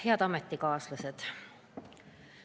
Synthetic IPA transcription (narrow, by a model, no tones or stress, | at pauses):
heæt̪ɑmet̪ːikɑːslɑset̪